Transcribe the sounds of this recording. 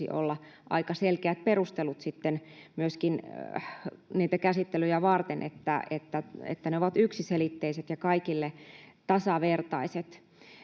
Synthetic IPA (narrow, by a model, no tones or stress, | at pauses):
ḭʔo̰lːɑʔɑ̰ikɑselkeæt̪̚perust̪elut̪sit̪ːenmyøskin | niːt̪ækæsit̪ːelyjæʋɑrt̪enʔḛt̪ːæ̰et̪ːæḛt̪ːæneoʋɑt̪yksiselit̪ːeiset̪jɑkɑikilːet̪ɑsɑʋert̪ɑiset̪